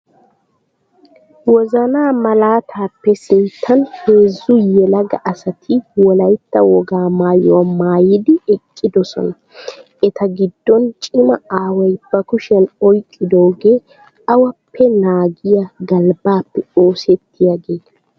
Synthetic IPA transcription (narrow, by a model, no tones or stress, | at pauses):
wɔzɐnaːmɐlaːt̪ʰaːpːɛsɪnt̪ʰːɐnheːzːʊjɛlɐɡɐʔɐsɐt̪ʰɪwɔlɐjt̪ːɐwɔɡaːmaːjɔwamaːjɪd̪ɪɛkʼːɪd̪ɔsɔ̰nɐ | ɛt̪ɐɡɪd̪̥ːɔnt͡ʃʼɪmɐaːwɐjb̥ɐkʊʃɛnɔjkʼːɪd̪oːɡe̞ː | ɐwɐpʰːɛnaːɡɪjaɡɐlbaːpːɛo̞ːsɛt̪ːɪjaɡe̞ːt̪ɐ̥